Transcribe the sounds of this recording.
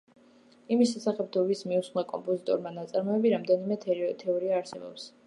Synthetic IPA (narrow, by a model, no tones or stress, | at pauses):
imis̬ʃɛsaχɛb̚d̪ʰɔvismiusχɛkʼɔ̰mpʼɔzit̪ʼɔɾmanat̪sʼaɾmɔɛbiɾamd̪ɛnimɛt̪ʰt̪ʰɛɔɾiaːɾsɛbɔ̰ps